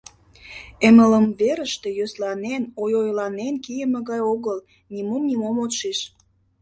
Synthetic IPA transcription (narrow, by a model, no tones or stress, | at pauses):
emələmveɾəʃt̪ejøslɑnenojojlɑnenkijəmĕɣɑjoɣəl | nimomnimomot̪ʃeʃ